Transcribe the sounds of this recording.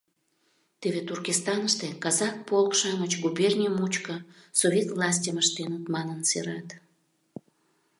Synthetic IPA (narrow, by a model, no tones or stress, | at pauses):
t̪eβet̪urkist̪ɑnəʃt̪ekɑzɑk̚polkʃɑmət͡ɕɡubernʲiəmut͡ɕkə | soβʲet̪vlˠɑsʲtʲəməʃt̪enət̪mɑnənsḛɾɑt̪